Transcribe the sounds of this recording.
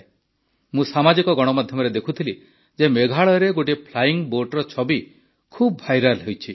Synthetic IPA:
mũsamad͡ʒikɔɡɔɽ̃ɔmad̪ʱjɔmɔɾed̪ekʰut̪ʰili | d͡ʒemeɡʱaɭɔɾeɡoʈipʰlajiŋboɾʈɔɾɔt͡ʃʰɔbi | kʰub̚bʱajɾalɦewt͡ʃʰi

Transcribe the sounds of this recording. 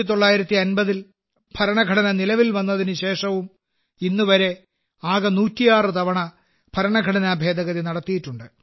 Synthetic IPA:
it̪̬o̞ɭːaːjiɾɐt̪ːiɐnbɐðil | pʰɐɾɐɳɐɡʱɐɽɐnɐnilɐʋilʋɐnːɐðinɨɕe̞ːʂɐʋum | inːuʋɐɾe̞ | aːɣɐnuːtːijaːrɨt̪ɐʋɐɳɐ | pʰɐɾɐɳɐɡʱɐɽɐnɐːbʱe̞ːd̪ʱɐɣɐðinɐɽɐt̪ːijiʈːuɳɖɨ

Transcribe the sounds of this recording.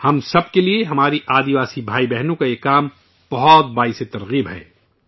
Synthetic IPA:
hɐmsɐb̚kelieɦɐmaːɾiʔaːd̪iʋaːsibʱaːibɛɦnũkajekaːm | b̥ɐɦɔt̪̚baːiset̪ɐɾɣiːbɦɛ̰ː

